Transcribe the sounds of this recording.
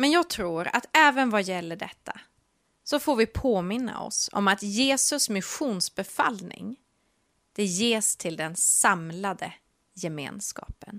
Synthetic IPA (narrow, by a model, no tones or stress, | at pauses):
mɛnjɑːɡ̚t̪ʰɾuːɾa̰t̪ɛːvənvajɛlːəɖɛt̪ʰːa̰ | sɔfoːɾvɪpʰoːmɪnːa̰ɔ̰sɔ̰mat̪jeːsɵsmɪɧuːnsbɛfa̰lnɪ̰ŋ | d̪̥ɛjeːst̪ʰɪld̪ɛnsamlad̪ə | jɛmḛːnskɑ̰ːpən